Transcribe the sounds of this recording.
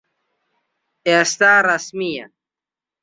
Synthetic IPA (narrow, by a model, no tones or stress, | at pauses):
est̪aːɾɐsmija̰